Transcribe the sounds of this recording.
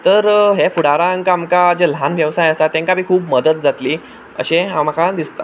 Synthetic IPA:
t̪əɾɦefuɽaɾãŋkaamkad͡ʑel̤anʋjəʋsajəsat̪ːẽŋkapiːkʰuːpməd̪ət̪̚d͡zat̪liː | ə̰ɕeamakad̪ist̪a̰

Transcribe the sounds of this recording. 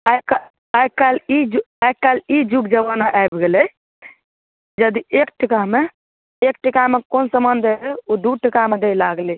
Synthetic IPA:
ajka | ajkkalid͡ʒu | ajkkalid͡ʒukd͡ʒəbanaʔajbɡelɛ | d͡ʒəd̪iekʈikaɦme | ek̚ʈikamekonsəmənd̪elud̪uʈikamed̪elaɡli

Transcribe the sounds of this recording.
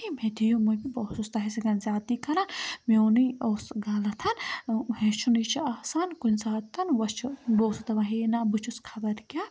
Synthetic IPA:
imed̪ijũmubiboːsust̪ɐɦeseɡɐnzʲaːd̪ikʰɐɾanmeonioːsɡaːlɐt̪ʰɐnhẽt͡ʃʰunit͡ʃʰiasankunʲsaːt̪ʰːɐnʋɐst͡ʃʰboːsut̪ɐʋɐɦinabut͡ʃʰuskʰɐbɐɾkʲjaː

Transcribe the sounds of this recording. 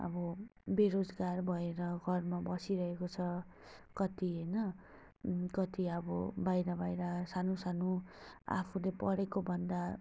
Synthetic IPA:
ʌ̰bʌbeɾod͡zɡarbʱʌeɾʌɡʱʌrmabʌsiɾʌɦekot͡sʰʌ | kʌt̪iɦʌjnʌ | kʌt̪iʌbʌbajɾʌbajɾasanusanua̰pʰulepʌɽekobʱʌnd̪a

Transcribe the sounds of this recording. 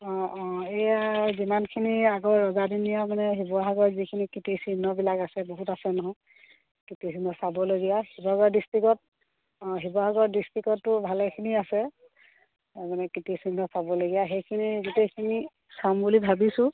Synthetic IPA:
ɔ̃ejazimankʰiniaɡɔːɔzadinijamanɛɦibɔɦaɡɔɹzikʰinikitisinɔbilakasɛboɦutasɛnɔɦɔ | kitisinɔsabɔloɡijahibɔɦaɡɔɹdistɹikɔt̚ | ɦibɔɦaɡɔɹdistɹikɔtːʊbʱalɛkʰiniasɛ | manɛkitisinːɔsabɔloɡijaɦejkʰinizitejkʰini | sambulibʱabisʊ̃

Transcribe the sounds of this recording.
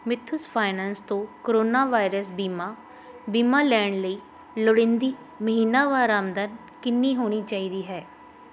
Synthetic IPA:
mɪt̪ʰːʊspʰaːɪnɛːnst̪õːkoɾoːnaːʋaːɪɾəsbiːmaː | biːmaːlɛːɳləiː | lʊɽɪ̃nd̪iː | məɦiːnaːʋaːɾaːmd̪aːn | kɪnːiːɦoːɽ̃iːt͡ʃaːiːd̪iːɦɛː

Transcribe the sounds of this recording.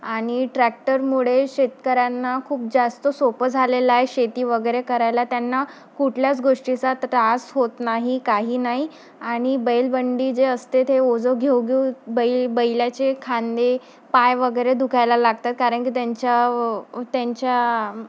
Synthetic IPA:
aɽ̃iʈɾæk̚ʈəɾmuɭeɕet̪kəɾanːakʰuːp̚d͡zast̪əsopəd͡zʱalelaeɕet̪iːʋəɡəjɾekəɾajlat̪janːa | kuʈʰljat͡sɡoʂʈit͡sat̪əɾasɦot̪naɦikaɦiːnaɦi | aɽ̃ibəjlbəɳɖiːd͡zeəst̪et̪ɦeod͡zəɡʱewɡeubəjbəjljat͡ɕekʰãnd̪e | pajʋəɡəjɾed̪ukʰajlalaɡ̚t̪at̪̚kaɾəɳkiːt̪jaɲt͡ɕa | t̪jaɲt͡ɕja

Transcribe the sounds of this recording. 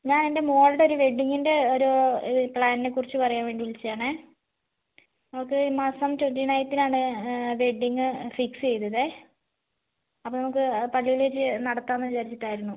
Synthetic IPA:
ɲaːnende̞mo̞ːlɖeo̞ɾuʋe̞ɖːiŋːinde̞oɾupɭaːninekːurit͡ɕːɨpɐrɐjaːnʋe̞ːɳɖiʋuɭit͡ɕːjaːɳɨ | nɐmukːɨmɐsɐmtwenʈinɐjt̪ːinaːɳɨʋeɖiŋːɨfiksɨt͡ɕe̞jt̪ːɐðe | ɐpːoːnɐmukːɨpɐɭːiʋiɭet͡ɕːɨnɐɽɐt̪ːaːnːɐʋit͡ɕaːɾit͡ɕːiʈːaːjiɾunːu

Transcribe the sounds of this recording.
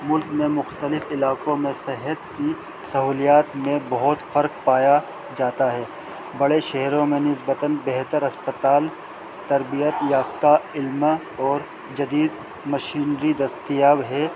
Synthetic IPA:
mʊlkmẽmʊxt̪əlɪfɪlaːkõmẽsɛɦət̪ki | sɐɦuːlijaːt̪mẽbɐɦʊt̪fɐɾkpaːja | d͡ʒaːt̪aɦɛː | bɐɽeʃɛɦɾõmẽnɪsbət̪ənbɛɦt̪əɾɐspət̪aːl | t̪ɐɾbijət̪jaːft̪aɪlm | ɔːɾ | d͡ʒɐd̪iːd̪ | mɐʃiːnɾid̪ɐst̪ijaːbɦɛː

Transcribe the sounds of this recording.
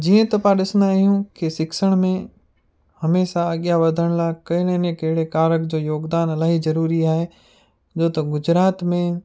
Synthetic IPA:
d͡ʑiːə̃t̪ɐpãɗɪsnaːɦijũkɪsɪkʃəɽ̃mẽ | hɐmeːʃaːɠjaʋɐd̪ʱəɽ̃lakɐɦɪnenẽkɐɦɪɽekaːɾəkd͡ʑoːjoːɡd̪aːnɐlaːɦizɐɾuːɾiaːɦe | d͡ʒoːt̪ɐɡʊd͡ʑɾaːt̪mẽ

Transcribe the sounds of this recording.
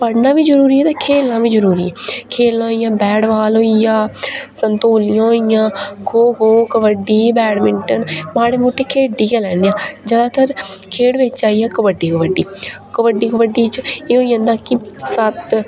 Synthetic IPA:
pəɽnãːʋiːd͡ʒəɾuːɾiːɛːt̪aːkʰeːlːãːʋiːd͡ʒəɾuːɾiːɛːkʰeːlːɦoijãːbɛːɽʋaːloːijãːsənt̪oːlɪjãːɦoijãːɡʰoːɡoːkəʋəɖiːbɛːɽmɪɳʈənmãːɽeːmoːʈːeːkʰeːɖiːkɛːlɛːneːãːd͡ʒəd̪aːt̪ʰəɾkʰeːɽʋɪt͡ʃaːijaːkəʋəɖiːkəʋəɖiː | kəʋəɖiːkəʋəɖiːt͡ʃeːoːə̃nd̪aːkɪsət̪

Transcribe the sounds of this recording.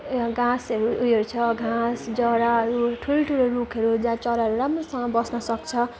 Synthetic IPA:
ɡʱãsʌɾujʌɾut͡sʰʌɡʱãsd͡zʌɽaʌɾuʈʰuloʈʰuloɾukʰʌɾud͡zãt͡sʌɾaɦʌɾuɾamrosʌŋʌbʌsnʌsʌk̚t͡sʰʌ

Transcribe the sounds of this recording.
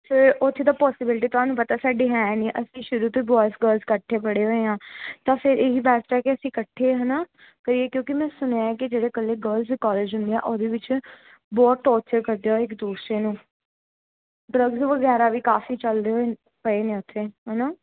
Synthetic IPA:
fʰɪɾʊt̪ʰːeːd̪aːpɔːsɪbɪlɪʈ̬iːt̪ʊɦaːnũːpət̪aːsaːɖeːɦɛːnĩːʔəsĩːʃʊɾuːt̪oːibɔːɪsɡəlzkəʈʰːeːpəɽeːɦoːeːɦãːt̪ãːpʰɪɾʔeːɦiːbɛːsɾɛːkeəsĩːkəʈʰːeːɦənaː | kəɾiːeːkjõːkɪmɛ̃ːsʊneɛːkɪd͡ʒeːɽeːkəlːeːɡəɾlziːkɔːleːd͡ʒɦʊ̃nd̪eã̰ːʔoːd̪eːʋɪt͡ʃ | bɔːt̪ʈːɔːɾt͡ʃəɾkəɾd̪eoɪkd̪uːsɾeːnũː | ɖɾəɡzʋəɡɛːɾaːʋiːkaːfiːt͡ʃəld̪eɦoe | ɦəeːnẽːʊt̪ʰːeːɦɛnaː

